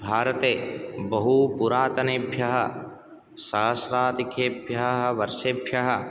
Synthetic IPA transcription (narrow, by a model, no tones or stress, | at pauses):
bʱaːɾɐt̪eːbɐɦupuɾaːt̪ɐneːbʱjɐɦɐ̰̆ | saːɐsɾaːt̪ikeːbʱjɐɦɐɦɐʋɐɾʃebʱjɐɦɐ̆